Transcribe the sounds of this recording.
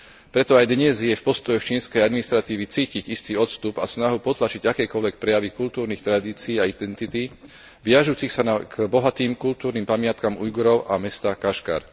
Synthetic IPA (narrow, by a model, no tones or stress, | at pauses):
pɾɛt̪ɔajd̪ɲɛzjɛfpɔst̪ɔjɔxt͡ʃiːnskɛjad̪minist̪ɾat̪iːʋit͡siːciɟist̪iɔt̪st̪upasnaɦupɔt̪lat͡ʃiɟakɛːkɔlʋɛk̚pɾɛjaʋikult̪uːɾniːxt̪ɾad̪iːt͡siːaid̪ɛnt̪it̪i | ʋɪaʒuːt͡sixsanakbɔɦat̪iːmkult̪uːɾnimpamɪat̪kamujɡɔɾɔʊʔamɛst̪akaʃka̰ɾ